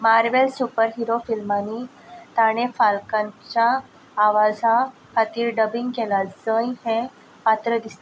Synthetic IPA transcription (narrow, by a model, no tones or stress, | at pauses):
maɾʋelsupəɾɦiɾofilmanːiː | t̪aɽ̃efalkãɲt͡ɕjaː | ʋad͡za | kat̪iːɾɖəbiŋɡkɛlad͡zəjɦẽ | pat̪ɾəd̪ist̪a